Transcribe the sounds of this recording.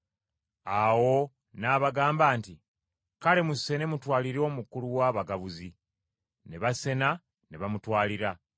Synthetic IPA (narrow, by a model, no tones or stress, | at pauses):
awo̞ | naːβaɡaːmbaːnti | kale̞muse̞ne̞mutwaːliɾo̞ːmukuluwaːβaɡaβuzi | ne̞βase̞na | neβamutwaːliɾa